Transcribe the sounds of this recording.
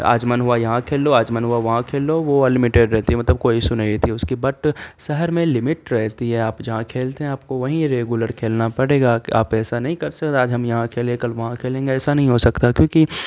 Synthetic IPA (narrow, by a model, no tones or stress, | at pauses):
a̰ːd͡ʒmɐnɦʊajɐɦãkʰeːlːoaːd͡ʒmɐnɦuaʋɐɦãkʰeːloʋolɪmɪʈeːɖɾɛɦt̪iɦɛmɐt̪ləb̚koːisʊnaet̪iɦɛʊskibɐʈsɛɦəɾmẽlɪmɪʈɾɛɦt̪iɦɛaːpjɐɦãkʰeːlt̪eɦɛ̃aːp̚koʋɐɦĩɾeːɡjʊləɾkʰeːlnapɐɽeːɡaaːpɛːsanɐɦĩkɐɾsɐkt̪eaːd͡ʒɦɐmjɐɦãkʰeːlẽkɐlʋɐɦãkʰeːlẽːŋɡeɛːsanɐɦĩɦosɐkt̪akjõːki